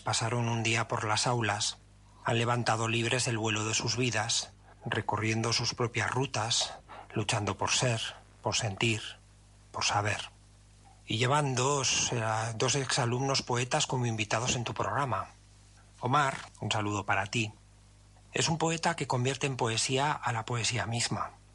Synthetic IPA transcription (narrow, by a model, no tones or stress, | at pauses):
pasaɾo̞nund̪iapo̞ɾlasawlas | a̰nle̞β̞ant̪að̞o̞liβ̞ɾe̞ze̞lβwe̞lo̞ðe̞suzβiðas | re̞korje̞nd̪o̞suspɾo̞pjazrut̪aslut͡ʃand̪o̞po̞ɾse̞ɾ | po̞ɾse̞nt̪iɾ | po̞ɾsaβ̞e̞ɾ | iʝe̞βand̪osd̪o̞seksalumno̞spo̞e̞t̪asko̞moimbit̪að̞o̞se̞nt̪upɾo̞ɣɾama | o̞maɾunsaluð̞o̞paɾat̪i | esumpo̞e̞t̪ake̞ko̞mbje̞ɾt̪e̞ːmpo̞e̞siaʔːlapo̞e̞siamizma